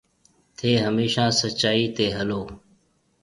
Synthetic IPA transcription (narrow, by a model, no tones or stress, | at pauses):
t̪ʰeːɦəmeːʃãːsət͡ʃaːiːt̪eːɦəloː